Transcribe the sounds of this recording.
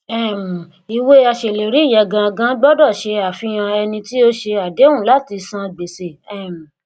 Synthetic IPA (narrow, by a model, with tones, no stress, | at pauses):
ɛ˦˨m˨ | i˨we˦a˧ʃe˨le˨ɾi˨˦˨jɛ˧˨ɡã˧ɡã˦ɡ͡bɔ˦dɔ˦˨ʃe˧a˨fĩ˧j̃ã˧ɛ˧nĩ˧ti˦o˦ʃe˧a˨de˨˦wũ˦˨la˦˨ti˧sã˦˨ɡ͡be˨se˨ɛ˦˨m̩˨